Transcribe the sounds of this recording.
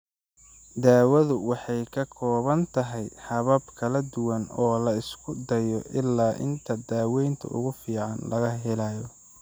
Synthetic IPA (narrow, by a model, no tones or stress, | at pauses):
d̪aːwɐðʊwɑħɑjkʰɐkʰɔːβɐnt̪ʰɐɦɛjħɑβɐbkʰɐlɐd̪ʊwɐnɔːlɐɪskʰʊd̪ɐjɔʔɪlːaːʔɪ̰nt̪ʰɐd̪aːwɛjnt̪ʰɐ̰ʊ̰ɣʊfiːʕɑnlɐɣɐɦɛlaːjɔ